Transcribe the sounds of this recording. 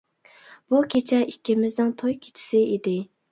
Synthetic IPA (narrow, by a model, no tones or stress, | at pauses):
b̥ukʲʰet͡ʃʰɛʔikʲʰːɪmɪzd̪ɪŋt̪ʰojkʲʰe̥t͡ʃʰɪ̥sɪid̪ɪ